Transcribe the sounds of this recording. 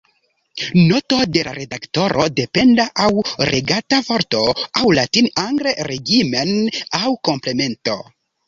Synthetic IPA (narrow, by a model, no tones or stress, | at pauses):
no̞to̞de̞lʔa̰ɾe̞dakto̞ɾʔode̞pe̞ndaʔawɾʔeɡatavo̞ɾto̞awlatinaŋɡɾeɾe̞ɡimenawko̞mple̞me̞nto̞